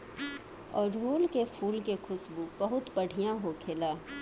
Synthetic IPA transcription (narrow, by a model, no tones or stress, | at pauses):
ɔːɾɖʱuːlkefʰuːlkekʰʊsbubɐɦʊt̪pɐɽ̤ʱijãɦokʰeːlaː